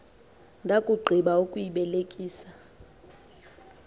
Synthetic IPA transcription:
ndʱakʼuɡ͡ǃʱiɓaukʼujiɓɛlekʼiːsa

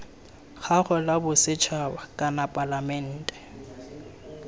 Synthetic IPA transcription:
ɣaχʊlabʊsɪt͡ʃʰabakʼanapʼalamɛn̩ːtʼɛ̥

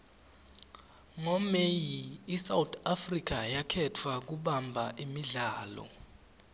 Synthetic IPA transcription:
ŋɔmejiːsawtʰʼafrik̬ajakʰɛtʰwak̬uɓambʱaʔimiɮaːlɔ̰

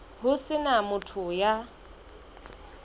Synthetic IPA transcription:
ɦʊsɪnamʊtʰʊja

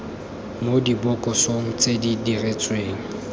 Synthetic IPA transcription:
modibɔkʼɔsoŋ̩t͡sʼedidiret͡sʼweːŋ̩

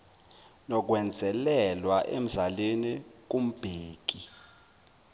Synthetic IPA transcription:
nɔk̬wɛnd͡zʱɛlɛlwaʔem̩zalenik̬um̩b̥ʱeːk̬ʼi

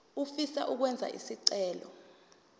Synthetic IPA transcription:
ufisa̰ʔuk̬wɛnd͡zʱa̰ʔḭsiǀɛːlɔ̰

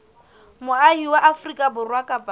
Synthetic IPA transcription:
mʊahiwaʔafrikʼabʊrwakʼapʼa

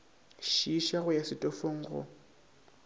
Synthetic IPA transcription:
ʃiʃaɣʊjasɪtʼɔfoŋ̩ɣʊ̰

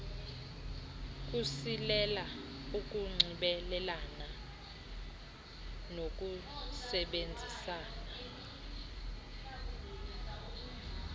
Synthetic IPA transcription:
k̬ʼusilɛla | uk̬ʼuŋ͡ǀʱiɓɛlɛlana | nok̬ʼusɛɓend͡zʱisaːna

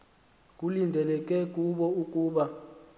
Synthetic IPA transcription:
k̬ʼulindʱɛlɛk̬ʼɛkʼuɓɔukʼuːɓa

